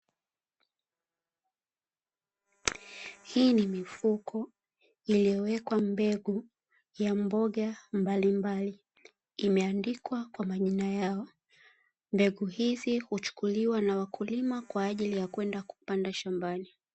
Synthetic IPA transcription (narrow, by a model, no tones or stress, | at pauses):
hiːnimifukʰɔ | ilijɔwɛkwambɛɠu | jambɔɠambalimbaliː | mɛandikwakwamaʄinajaɔ | mbɛɠuhizihut͡ʃu̥kuliwanawakulimakwaːʄilijakwɛndaku̥pandaʃambani